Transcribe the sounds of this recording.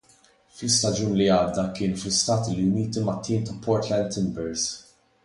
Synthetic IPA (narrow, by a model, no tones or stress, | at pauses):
flɪst̪ɐd͡ʒuːnliɐːd̪ːɐkɪːnflɪst̪ɐːt̪iliʊniːt̪imɐt̪ːiːnt̪ɐpʰːɔːɾt̪lɛnt̪ɪmbɛɾz